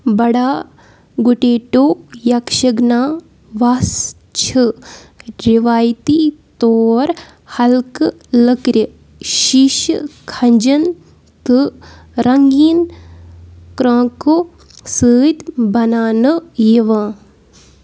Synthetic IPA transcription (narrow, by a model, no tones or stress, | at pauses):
bɐɽaː | ɡuʈeːʈoːjɐkʃɐɡnaː | ʋas | t͡ʃʰɨ | ɾiʋaːjt̪it̪oːɾ | hɐlkɨ | ləkɾə | ʃiʃkʰɐɲd͡ʒɐn | t̪ɨ | ɾɐŋɡiːn | kɾãːko | sɨːt̪bɐnaːnɨjiʋãː